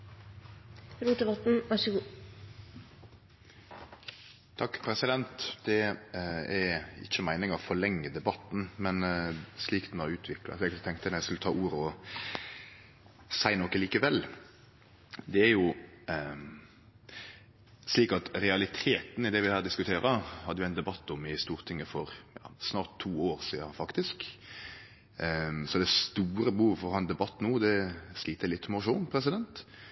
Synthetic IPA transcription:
ɾuːt̪əbɑt̪n̩ʋɑʂəɡuː | t̪ʰɑkːpʰɾɛsɪd̪ɛnt̪d̪ɛ | ɛɾɪ̰çːəmæɪnɪŋɑʋfɔlɛŋːəd̪ɛbɑt̪n̩mɛnsliːkd̪n̩ɑɾʉːt̪ʰʋɪklɑ̰ʋɛkt̪ɛŋkt̪ənæɪskɪlt̪ʰɑ̰ːʔuːɾəɔ | sæɪnoːkəliːkəʋɛl | d̪ɛæɾjʊ | sliːkɑt̪ɾɛɑlɪt̪ʰeːt̪n̩ɪd̪ɛʋɪhæːɾd̪ɪskʉt̪ʰeːɾəhɑd̪ːəjʊæɪnd̪ɛbɑt̪ːɔmɪst̪uːɾt̪ʰɪŋːəfɔɾjɑ̰ːsnɑːʁt̪ʰːuːoːɾsiːɑfɑkt̪ɪsk | sɔd̪ɛst̪uːɾəbəhuːʋəfɔɾhɑnd̪ɛbɑt̪ːnuːd̪ɛsliːt̪əɾlɪt̪ːmʊʂuːnpʰɾɛsɪd̪ɛnt̪

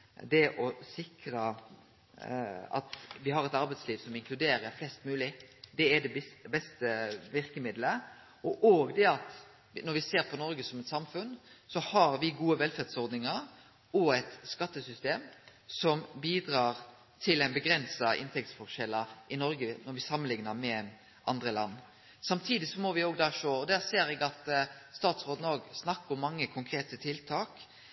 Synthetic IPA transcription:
d̪ɛʔɔsɪkɾə | ɑ̰t̪ʋɪɦɑɾɛt̪ɑɾbɛɪsliːʋsɔmɪŋkʰlʉd̪eːɾəɾflɛst̪mʉːlɪd̪ɛɛd̪ɛbɛst̪əʋɪɾkəmɪd̪lə | ɔʔoːɡd̪ɛɑt̪ | nɔɾʋɪseːɾpʰɔnɔɾɡəsɔmɛt̪sɑmfʉnsɔhɑɾʋɪɡuːəʋɛlfæʁd̪sɔɾd̪nɪŋəɾ | ɔɛt̪skɑt̪ːəsʏst̪eːmsɔmbiːd̪ɾɑːɾ | t̪ʰɪlæɪnbəɡɾɛnsɑʔɪ̰nt̪ʰɛk̚t̪sfɔʁʂɛlɑɪnɔɾɡənɔɾʋɪsɑmːənlɪŋnəmɛ | ʔɑnd̪ɾəlɑ̰nː | sɑmt̪ʰiːd̪ɪsɔmɔʋɪoːɡd̪ɑːʂoːɔd̪æːɾseːɾɛɡɑt̪st̪ɑːt̪sʁoːd̪n̩oːɡsnɑkːʊmːɑŋːəkʰʊŋkʰɾeːt̪ət̪ʰɪlt̪ʰɑːk

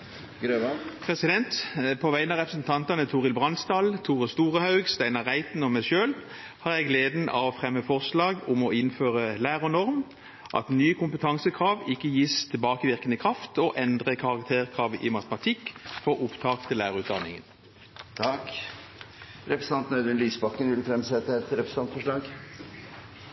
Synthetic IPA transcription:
ɡɾøʋpʰʁɛsɪd̪ɛnt̪pʰoːʋæɪənɑʁɛpʁəsn̩t̪ʰɑnt̪ɑnət̪ʰuːʁɪlbʁɑnst̪ɑːlt̪ʰuːʁəst̪uːʁəhɑʉɡst̪æɪnɑʁæɪt̪n̩ɔmæɪʃøːl | hɑːʁjɛɡleːd̪n̩ɑ̰ʋɔfʁɛmːəfɔʁslɑːɡʊmɔɪnføːʁəlæːʁɔnɔʁm | ʔɑ̰t̪nyːkʰʊmpət̪ʰɑŋsəkʰʁɑːʋɪkːəjiːst̪ʰɛlbɑːkəʋɪʁkənəkʰʁɑft̪oʔɛnd̪ʁəkʰɑʁɑkt̪ʰeːʁkʰʁɑːʋəʔɪmɑt̪əmɑt̪ʰɪkːfɔʁʔʊpt̪ʰɑːkt̪ʰɪlæːʁʉːt̪̚d̪ɑnːɪ̰ŋə̰n | t̪ʰɑk | ɾɛpɾəs̩ɑnt̪nəd̪ənliːsbɑkːənʋɪlfɾɛmsɛt̪ːəɛt̪ɾɛpɾəs̩ɑnt̪fɔʂɭɑːɡ

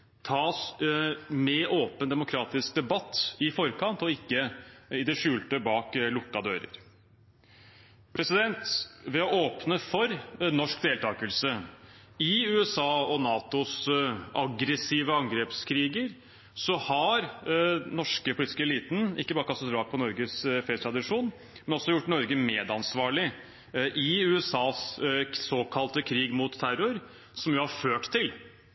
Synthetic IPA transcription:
t̪ʰɑːs | mɛʔoːpənd̪ɛmʊkʰɾɑːt̪ɪsk̚d̪ɛbɑt̪ːɪfɔɾkʰɑnt̪ɔɪkːəɪd̪ɛʂʉːlt̪əbɑːklʊkːɑd̪ø̰ːɾə̰ɾ | pʰɾɛsɪd̪ɛnt̪ʋɛɔʔoːpnəfɔɾnɔʂkd̪eːlt̪ʰɑːkəlsə | ɪʉːɛsɑːɔnɑːt̪ʊsʔɑɡɾɛsiːʋəɑŋɡɾeːpskʰɾiːɡəɾ | sɔhɑɾnɔʂkəpʰʊliːt̪ɪ̥skəɛliːt̪n̩ɪ̰kːəbɑːɾəkɑst̪ɑt̪ɾɑːk̚pʰɔnɔɾɡəsfɛːt̪ʰɾɑd̪ɪʂuːn | mɛnɔsːɔjʊʈːnɔɾɡəmeːd̪ɑnsʋɑːɭɪ | ʔɪʉːɛsɑːssoːkʰɑlt̪əkʰɾiːɡmuːt̪t̪ʰːæɾʊɾ | sɔmjʊhɑɾføːʈt̪ʰɪl

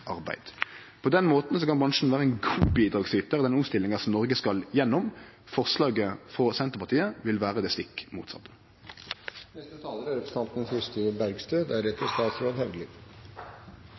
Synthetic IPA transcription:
ʔɑʁbæ̰ɪd̪̥ | pʰɔd̪ɛnmoːt̪n̩sɔkʰɑnbʁɑŋʂn̩ʋæːʁəɛnɡuːbiːd̪ʁɑːɡsyːt̪əʁd̪ɛnʊmst̪ɪlːɪŋɑsɔmnɔʁɡəskɑljɛnːɔm | fɔʁslɑːɡəfʁɔsɛnt̪əʁpɑʁt̪ʰiːəʋɪlʋæːʁəd̪ɛːst̪ɪkːmṵːt̪sɑ̰t̪ːə̥ | nɛst̪ət̪ʰɑːləɾøɾəpst̪ɑnt̪n̩sɪsʈ̪əbæɾɡst̪øːd̪æɾɛt̪ʰːəst̪ɑːt̪sɾoːd̪hɛʋd̪əliːʋ

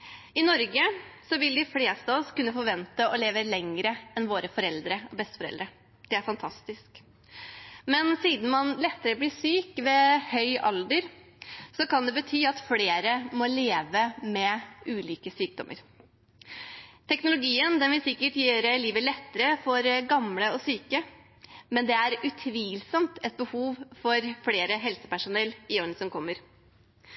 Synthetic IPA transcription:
ɪnɔɾɡəsɔʋɪld̪ɪfleːst̪ɑɔskʉnːəfɔɾʋɛnt̪əʔɔleːʋəlɛŋəɾəɛnʋoːɾəfɔɾɛld̪ɾəɔbɛst̪ə̥fɔɾɛ̰ld̪ɾə | d̪̥ɛæɾfɑnt̪ʰɑst̪ɪsk | mɛnsiːd̪n̩mɑnlɛt̪ːəɾəbliːsyːkʋɛhœʏʔɑld̪əɾ | sɔkɑnd̪ɛbət̪ʰyːɑt̪fleːɾəmɔleːʋəmɛʔʉːliːkəsyːk̚d̪ɔmʔə̰ɾ | t̪ʰɛknʊlʊɡiːənd̪ɛnʋɪsɪkːəʈjøːɾəliːʋəlɛt̪ːəɾəfɔɾɡɑmləɔsyːkə | mɛnd̪ɛæɾʉt̪ʰʋiːlsɔmt̪ɛt̪̚bəhuːʋfɔɾfleːɾəɦɛlsə̥pæʂʊnɛlːɪonəsɔmkʰɔmːəɾ

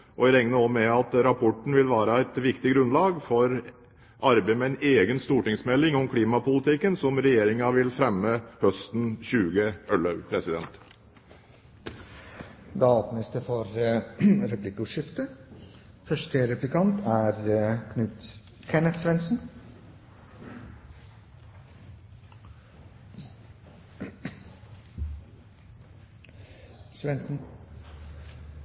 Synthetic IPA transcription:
ʔɔɾɛŋnəɔmɛɑt̪ɾɑpʰɔʈɳ̩ʋɪlʋæːɾəæɪt̪ʋɪkt̪ɪɡɾʉnlɑːɡfɔɾ | ʔɑɾbemɛæɪneːɡənst̪uːʈɪŋsmɛlːɪŋɔmkʰliːmɑpʊlɪt̪ɪkːənsɔmɾɛjeːɾɪŋɑʋɪlfɾɛmːəhœst̪n̩ɕʉːɡəœlɑpʰɾɛsɪd̪ɛ̰nt̪ | d̪ɑɑpnəsd̪əfɔɾ | ɾɛplɪkʊʂɪft̪ə | fœʂʈəɾɛplɪkʰɑnt̪ʰæːɾkʰnʉt̪ | kʰɛnət̪sʋɛnsn̩ | sʋɛnsn̩

